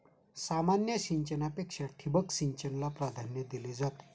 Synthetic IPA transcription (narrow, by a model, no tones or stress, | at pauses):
samanjəɕiɲt͡ɕənapekʂaʈʰibəksiɲt͡ɕənlapɾad̪ʱanjəd̪iled͡zat̪